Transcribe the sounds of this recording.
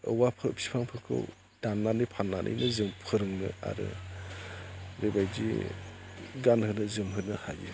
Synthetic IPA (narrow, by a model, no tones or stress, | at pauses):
ɯ̰wapʰɯpʰi̥pʰaŋpʰɯkʰɯ̰w | d̥anːanipʰanːanʔɯ̰jnɯzɯmpʰɯɾɯŋnɯ̰a̰ɾɯ̰ | ɾebajdḭ | ɡanhɯnɯzɯmɦɯnɯhajḭ